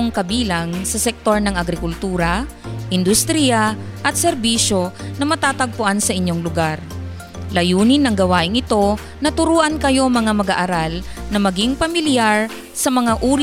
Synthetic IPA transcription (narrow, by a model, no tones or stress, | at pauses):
ŋkɐbiːlaŋsɐsɛk̚t̪o̞ɹnɐŋʔɐɡɾɪkʊlt̪uːɾɐ | ʔɪnd̪ʊst̪ɾijaʔɐt̪̚sɛɾbiʃo̞nɐmɐt̪aːt̪ɐɡ̚pʊʔansɐʔɪɲːoŋlʊɡaɾ | lɐjuːnɪnɐŋɡɐwaːʔɪŋɪt̪o̞ | nɐt̪ʊɾuːʔɐnkɐjo̞mɐŋamɐɡaʔaɾalnɐmɐɡɪŋpɐmɪljaɹ | sɐmɐŋaʔuː